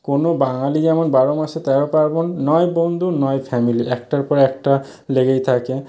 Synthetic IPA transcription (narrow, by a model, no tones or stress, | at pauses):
konobaŋalid͡ʑɛmonbaɾomaʃet̪ɛɾopaɾbonːɔebond̪ʱunɔefʰɛmiliʔɛk̚ʈaɾpɔɾɛk̚ʈa | leɡejt̪ʰake